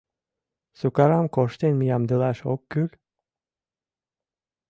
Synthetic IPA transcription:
sukaɾamkʰoʃt̪enmijamd̪ɯlˠaʃo̰kːylʲ

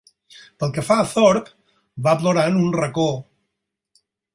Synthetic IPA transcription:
pəlˠkəfaθɔɾk | βaploɾanunrəko

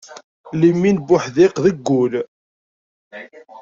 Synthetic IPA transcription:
limːinbʊħðɪqðəɡːʊl

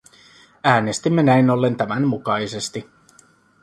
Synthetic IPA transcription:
æːne̞st̪imːe̞næino̞lːe̞nt̪æmænmukɑjse̞st̪i

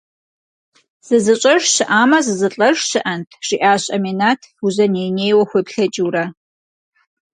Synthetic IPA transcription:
z̥ɨzɨt͡ʃʷʼɐʐɕɨʔaːmɐzɨzɨt͡ɬʼɐrɕɨʔɐntʰʂiʔaːɕʼɐminatʰuzɐnejneːjwɐxʷepɬɐt͡ʃʼurɐ

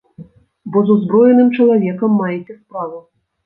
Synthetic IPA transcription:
bozuzbrɔjenɨmt͡ʃɐlˠɐvʲɛkəmːɑjetʲesprɑvu

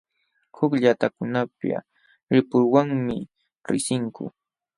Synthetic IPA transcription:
hʊkʎat̪akʊnapa̰ | ɾɪpʊɾwaŋmɪ | ɾɪ̰sɪŋkʊ̰

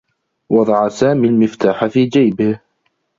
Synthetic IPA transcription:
wɑd̪ˤɑʕasaːmiːlmɪft̪aːħafiːd͡ʒajbɪh

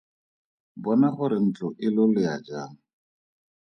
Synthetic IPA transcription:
bɔnaχʊɾɪn̩t͡ɬʼʊʔɪlʊlɪad͡ʒaːŋ̩

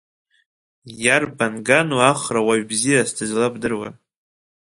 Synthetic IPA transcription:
jarbanɡanuaχrawaɥbzijasdʰɨzlapdɨrwa̰

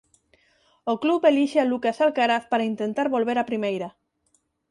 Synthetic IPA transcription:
okluβeliʃealukasalkaɾaθpaɾaint̪ent̪aɾβolβeɾapɾimejɾa

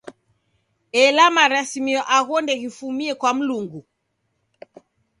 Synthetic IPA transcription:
ɛlamaɾasimiɔʔaɣɔndɛɣifumiɛkwam̩luŋɡu

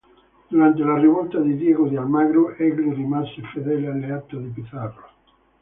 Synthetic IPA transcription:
d̪uɾant̪elareβolt̪aðeðjeɣoðealmaɣɾoʔeɣɾirimasefeðelalːeat̪oðepiθaro

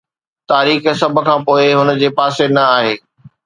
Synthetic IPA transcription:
t̪aːɾiːxsɐbʱʊ̆kʰãːpoːɪɦʊnə̆d͡ʑeːpaːsenɐaːɦeː

